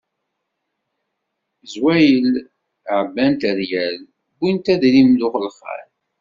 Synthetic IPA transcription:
zwæjəl | ʕəbːænt̪æðjæl | bunt̪æðlimlʊχəlχæ̰ɾ

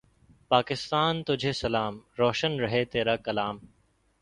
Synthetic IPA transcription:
paːkɪst̪aːnt̪ʊd͡ʒʱesɐlaːmɾɔːʃənɾɐɦet̪eːɾaːkɐlaːm

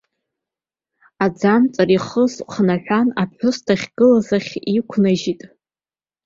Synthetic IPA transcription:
ad͡zant͡sʼaɾiχəzχnaħʷᶣanapħʷᶣʊstʰaχʲɡ̥ɨlazaχʲikʷʰnaʒitʼ

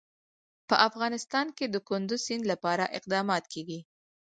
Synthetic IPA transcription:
pəʔafɣɑnɪst̪ɑnked̪əkʊnd̪ʊzsinlapɑɾaʔɪqd̪ɑmɑt̪kʰeɡi

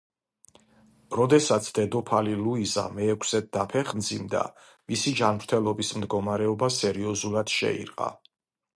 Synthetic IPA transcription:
ɾɔd̪ɛsat̪sʰd̪̥ɛd̪ɔpʰaliluiza̰mɛːkʷʰsɛt̪̚d̪apʰɛχnd̪zimd̪a̰ | misid͡ʒanmɾt̪ʰɛlˠɔbismd̪ɡɔmaɾɛɔbasɛɾiɔzulˠad̪̥ʃɛ̰ḭɾqʼa̰

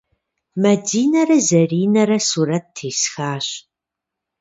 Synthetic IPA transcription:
mɐdiːnɐrɐzɐriːnɐɾɐsuːɾɐtːʰiːsxaːɕ

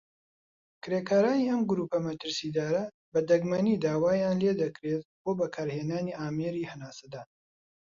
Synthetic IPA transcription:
kɾeːkaːɾaːniːʔɐmɡʊɾuːpɐmɐt̪ɨɾsiːd̪aːɾɐ | bɐd̪ɐɡmɐniːd̪aːwaːjaːnleːd̪ɐkɾeːt̪̚boːbɐkʰaːɾheːnaːniːʔaːmeːɾiːhɐnaːsɐd̪aːn

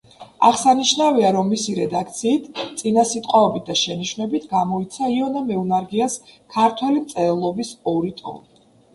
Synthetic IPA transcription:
a̰ʁsaniʃnaviaɾɔmːisiɾɛd̪akʰt̪sʰiːt̪ʰt̪sʼinasit̪ʼqʼwaɔbit̪̚ʰd̪aʃɛniʃwnɛbit̪ʰɡamɔit̪sʰaiɔnɛmɛunaɾɡiaskʰaɾt̪ʰwɛlimt̪sʼɛlˠɔbisɔɾit̪ʼɔ̰ni

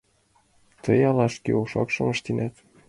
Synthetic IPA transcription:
t̪ɤjɑlɑʃkḛoʃɑ̰kʃɤ̆mə̆ʃt̪inʔæt̪

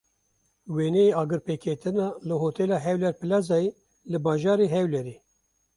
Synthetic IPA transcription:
weːnɛeɑːɡɨɾpeːkʰet̪ʰɨnɑːlɨɦoːt̪ɛlɑːɦɛwlɛɾpɨlɑzɑːje | lɨbɑːʒɑːɾeːɦɛwlɛɾeː

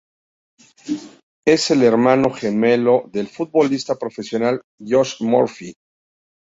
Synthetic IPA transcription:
e̞se̞le̞ɾmãno̞xeme̞lo̞ðe̞lfut̪̚bo̞list̪apɾo̞fe̞sjo̞nal | ʝoʃmoɾfi

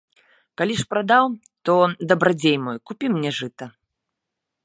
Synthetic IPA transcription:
kalʲiʂpɾad̪aw | t̪ɔd̪ɐbɾad͡zʲejmɔjkupʲimnʲɛʐɨt̪ɐ

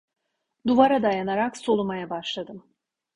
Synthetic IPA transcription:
d̪uvaɾad̪ajanaɾakso̞lˠumajabaʃlˠad̪ɯm

